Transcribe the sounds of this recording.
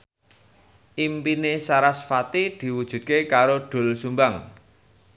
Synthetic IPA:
ʔimpinesaɾasfat̪id̪̥i̤wud̥ʒ̥ṳd̪̚kekaɾoɖ̪̥o̤lsumbaŋ

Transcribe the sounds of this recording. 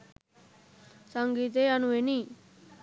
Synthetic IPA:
sʌŋɡiːt̪̬eʌnuɦeni

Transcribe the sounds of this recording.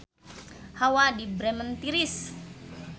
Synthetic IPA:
hawadibɾɛmənt̪iɾis

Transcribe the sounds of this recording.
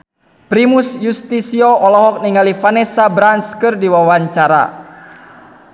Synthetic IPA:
pɾimusjust̪isiɔʔɔlɔɦɔk̚niŋalifanɛsabɾanskɨrdiwawaɲt͡ʃaɾa̰

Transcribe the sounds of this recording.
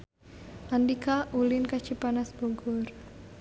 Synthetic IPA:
ʔandikʰaʔulɪnkat͡ʃipanasboɡʊr

